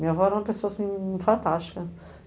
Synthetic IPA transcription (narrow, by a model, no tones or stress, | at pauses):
miɐvɔɛɾũmɐpesoɐasĩfɐ̃nt̪aʃt̪i̥kɐ